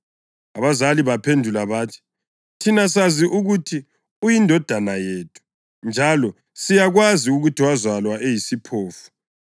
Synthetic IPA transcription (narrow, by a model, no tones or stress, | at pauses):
aβazaliβapʰendʱulaβaːtʰi̥ | tʰinas̬aziʔuɣutʰi | ujindʱɔd̥ʱanajeːtʰu̥ | nd͡ʒʱalɔ | sijaɣwaziuɣutʰiwazwalwaʔejisipʰoːfu̥